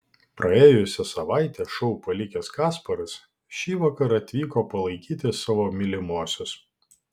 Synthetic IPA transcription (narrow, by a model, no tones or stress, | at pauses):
pɾʔɐeːjʊsʲɛsɐʋɑˑɪt̪ʲɛːʃɔʊpɐlʲɪkʲɛskɑːspɐɾɐs | ʃʲiːʋɑːkɐɾɐt̪ʲʋʲiːkoːpɐlˠɐɪkʲiːt̪ʲɪsɑːʋoːmʲɪlʲɪmoːsʲʊs